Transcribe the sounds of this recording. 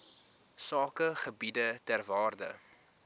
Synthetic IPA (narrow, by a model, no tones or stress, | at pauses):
sɑːkəχəbidətærvɑːrdə̰